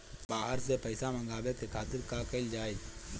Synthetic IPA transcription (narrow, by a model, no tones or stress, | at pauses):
baːɦəɾsepəɪsamə̃ŋɡaːbekekʰaːt̪ɪɾkakəɪld͡ʒaːe